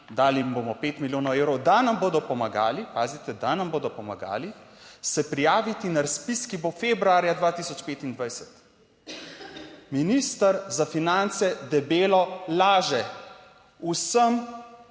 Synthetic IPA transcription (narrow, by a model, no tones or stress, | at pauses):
d̪aːlibomɔpeːt̪miljoːnɔweːwɾɔwd̪anamboːd̪ɔpɔmaɡa̰ːlipaːzit̪ɛd̪anamboːd̪ɔpɔma̰ɡa̰ːlisɛpɾijaːʋit̪inaɾaspiskibofeːbɾuaːɾjad̪ʋaːt̪iːsɔt͡ʃpeːt̪ind̪ʋajsɛ̥t̪ | minist̪əɾzafinant̪sɛd̪ɛbeːlɔlaːʒɛ | usəm